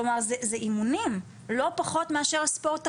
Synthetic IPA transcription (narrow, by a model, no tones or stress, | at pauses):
omaʁzezeʔimunim | lo̞paχo̞tmeaʃeʁspo̞ʁt